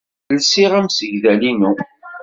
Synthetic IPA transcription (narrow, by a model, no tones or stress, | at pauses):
lsɪʁæmsəʝðælinu